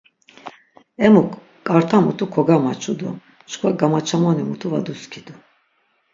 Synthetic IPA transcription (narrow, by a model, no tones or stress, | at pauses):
ɛmukːʼ | aɾt̪ʰamut̪ʰukʰɔɡamat͡ʃʰʼud̪ṵ | t͡ʃkʰvaɡamat͡ʃʰamɔnimut̪ʰuva̰d̪uskʰid̪u